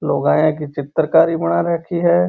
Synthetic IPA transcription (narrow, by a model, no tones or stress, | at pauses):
loːɡãːjẽk̬it͡ʃɪt̪ɾəkaːɾibɐñaɾɛːkʰiɦɛː